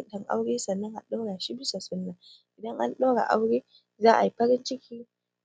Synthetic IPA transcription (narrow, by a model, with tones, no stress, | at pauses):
dɐ˨ŋʔa̰˦wɽeː˦sɐ˨nːɐ˦ŋʔa̰˨ɗa˦ɽaː˨ʃi˦bɪ˦sa˨sʊ˦nːɐ˨ŋ | ʔɪ˨dɐ˦ŋʔa˦nɗa˦ɽa̰˨ʔa˦wɽeː˦ | zaː˦ʔa˨ji˦ɸɐ˦ɾɪ˦nt͡ʃɪ˦kʲiː˦